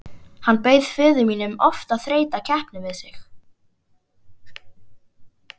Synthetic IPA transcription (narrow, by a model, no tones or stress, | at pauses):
hanːpeːjð̥fɪːðʏmiːnʏmɔft̪aðθɾeːjt̪acʰɛhpnɪvɪðsɪx